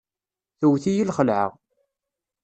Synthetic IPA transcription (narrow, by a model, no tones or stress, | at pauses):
θəwθijəlχəlʕə̰ʁ